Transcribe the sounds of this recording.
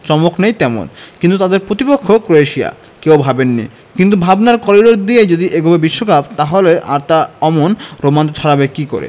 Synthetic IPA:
t͡ɕɔmoknejt̪ɛmo̰nkint̪ut̪ad̪eɾpɾot̪ipokʰːokɾoeʃia̰ | kewbʱabenːḭ | kint̪̬ubʱabnaɾkɔɾiɾoɾd̪ied͡ʑod̪iʔeɡobebiʃːokab̚t̪aɦoleʔa̰ɾt̪aɔmonɾomant̪ot͡ɕʰaɾabekiko̰ɾḛ

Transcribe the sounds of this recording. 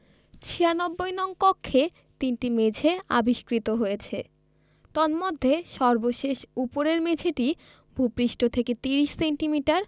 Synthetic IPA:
t͡ɕʰianɔbːojnɔŋkɔkʰːe | t̪inʈimed͡ʑʱea̰biʃkɾit̪oɦojet͡ɕʰe | t̪ɔnmod̪ʱːeʃɔɾboʃeʃupoɾeɾmed͡ʑʰʱeʈi | bʱupɾiʃʈot̪ʰeket̪iɾiʃseɳʈimiʈaɾ

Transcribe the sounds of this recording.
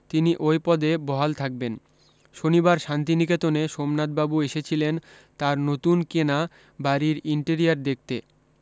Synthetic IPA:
t̪iniʔojpɔd̪ebɔɦalt̪ʰak̚ben | ʃonibaɾʃant̪iniket̪oneʃomnad̪̚babueʃet͡ɕʰilen | t̪aɾnot̪unkena | baɾiɾiɳʈeɾiaɾd̪ek̚t̪ḛ

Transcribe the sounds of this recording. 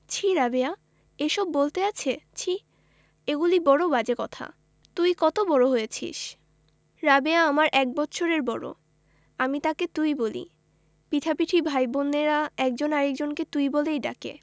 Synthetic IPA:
t͡ɕʰiɾabea | eʃɔbːolt̪eat͡ɕʰet͡ɕʰi | eɡulibɔɽobad͡ʑekɔt̪ʰa̰ | t̪ujkɔt̪obɔɽoɦojet͡ɕʰḭʃ | ɾabeaamaɾʔɛk̚bɔtːɕʰoɾeɾbɔɽo̰ | amit̪aket̪ujbolḭ | pit̪ʰapiʈʰibʱajbonːeɾaɛk̚d͡ʑonaɾek̚d͡ʑonket̪ujbolejɖa̰kḛ

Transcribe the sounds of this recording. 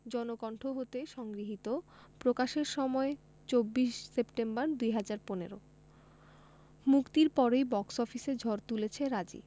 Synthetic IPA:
d͡ʑɔnokɔɳʈʰoɦot̪eʃɔŋɡɾiɦit̪o | pɾokaʃeɾʃɔmɔe | t͡ɕobːiʃsepʈembaɾd̪ujɦad͡ʑaɾponḛɾo̰ | mukt̪iɾpɔɾejbɔksɔfised͡ʑʱɔɾt̪ulet͡ɕʰeɾad͡ʑḭ

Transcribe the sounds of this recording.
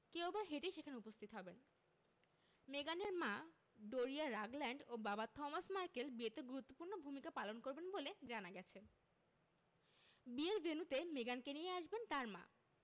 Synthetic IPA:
kewbaɾɦeʈeʃekʰaneupost̪ʰit̪oɦɔben | meɡaneɾma | ɖoɾiaɾaɡlɛɳɖobabat̪ɔmasmaɾkelbiet̪eɡuɾut̪ːopuɾnobʱumikapalonkoɾbenboled͡ʑanaɡɛt͡ɕʰen | bielbʱenut̪emeɡankenijeaʃbent̪aɾmã̰

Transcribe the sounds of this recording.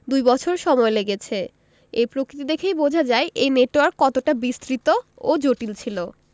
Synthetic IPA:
d̪ujbɔt͡ɕʰoɾʃɔmɔeleɡet͡ɕʰe | epɾokɾit̪id̪ekʰejbod͡ʑʱad͡ʑaeʔejneʈwaɾkːɔt̪oʈabist̪ɾit̪ood͡ʑoʈilt͡ɕʰilo

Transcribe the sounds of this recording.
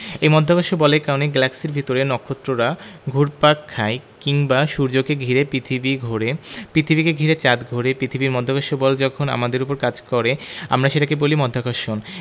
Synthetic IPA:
ejmɔd̪ʱːakaʃobɔleɾkaoneɡɛlakseɾbʱit̪oɾenɔkʰːot̪ːɾoɾaɡʱuɾpakʰːaekiŋbaʃuɾd͡ʑokeɡʱiɾepɾit̪ʰibiɡʱoɾepɾit̪ʰibikeɡʱiɾet͡ɕad̪ɡʱoɾepɾit̪ʰibiɾmɔd̪ʱːakaʃobɔld͡ʑɔkʰona̰mad̪eɾupoɾkad͡ʑkɔɾea̰mɾaʃeʈakebolimɔd̪ʱakaʃon

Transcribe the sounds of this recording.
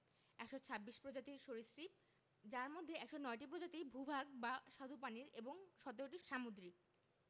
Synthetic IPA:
ɛkʃot͡ɕʰabːiʃpɾod͡ʑat̪iɾʃoɾisɾip̚ | d͡ʑaɾmod̪ʱːeɛkʃonɔeʈipɾod͡ʑat̪ibʱubʱaɡ̚baʃad̪ʱupaniɾeboŋʃɔt̪eɾoʈiʃamud̪ɾik̚

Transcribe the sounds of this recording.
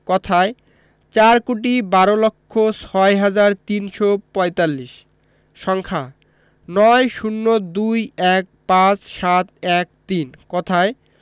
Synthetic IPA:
kɔt̪ʰae | t͡ɕaɾkoʈ̬ibaɾolokʰːosʰɔeɦad͡ʑaɾt̪inʃopɔjt̪alːiʃ | ʃɔŋkʰa | nɔeʃunːod̪ujɛk̚pãt͡ɕʃat̪ɛk̚t̪inkɔt̪ʰae

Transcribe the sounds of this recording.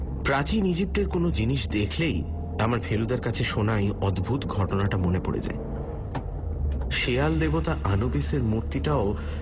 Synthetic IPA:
pɾat͡ɕinid͡ʑip̚ʈeɾkonod͡ʑiniʃd̪ekʰlej | amaɾfʰelud̪aɾkat͡ɕʰeʃonajɔd̪bʱut̪ɡʱɔʈonaʈamonepo̰ɽḛd͡ʑa̰e | ʃeald̪ebot̪aʔanobeseɾmuɾt̪iʈao

